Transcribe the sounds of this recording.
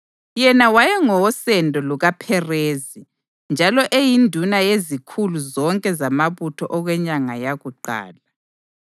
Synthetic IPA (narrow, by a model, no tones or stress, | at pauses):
jɛnawajɛŋɔwɔsɛndʱɔluɣapʰɛreːzi | nd͡ʒʱalɔʔejindʱunajezikʰuluzɔŋkʼɛzamaβutʰɔʔɔɣwɛɲaŋajaɣuǃa̰ːla